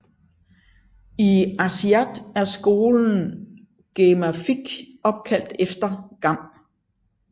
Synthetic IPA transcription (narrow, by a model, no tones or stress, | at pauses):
iæsiæd̥æɐsɡ̥o̝ːln̩ | ɡ̥emæfiɡ̥ɒ̽b̥̚kʰæl̰d̥efd̥ɐɡ̥ɑ̈m̰